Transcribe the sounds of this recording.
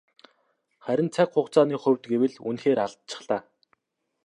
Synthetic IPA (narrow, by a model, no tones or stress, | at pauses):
χæɾʲɪ̆nt͡sʰakχʊχt͡saːniːχɵ̟wʲt̪ɡewɘ̆ɮṵnxeːɾaɮt̪̚t͡ɕʰɪ̥̆χɮaː